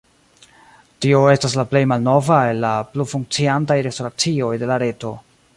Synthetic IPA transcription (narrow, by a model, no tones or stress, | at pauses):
tio̞e̞stas̬laple̞jmalno̞vae̞lːaplufuŋk̚t͡siantajɾe̞sto̞ɾat͡sio̞jde̞laɾe̞to̞